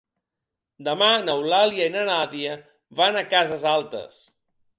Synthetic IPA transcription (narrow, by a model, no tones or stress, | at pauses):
d̪əmanəwlaliainənaðiə | βanakazəzalˠt̪ə̰s